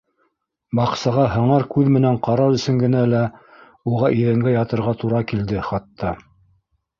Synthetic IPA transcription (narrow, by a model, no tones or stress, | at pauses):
bɑqsɑʁɑɦɤ̆ɴɑɾkʉðmɘ̆næɴqɑɾɑɾɵ̆sɵ̆ŋɡɘ̆nælæ | uʁɑʔiðæŋɡæjɑt̪ɤ̆ɾʁɑt̪uɾɑkild̪ɘχɑt̪ʰːɑ